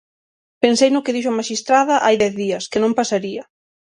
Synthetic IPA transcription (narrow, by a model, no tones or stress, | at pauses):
pensejnʊkɪðiʃ̬ʊɐmaʃist̪ɾaðɐʔajðɛθðiɐskɪnõmpasaɾiɐ